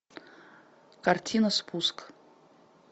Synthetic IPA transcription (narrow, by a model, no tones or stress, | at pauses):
kartʲʰinaspʰuskʼ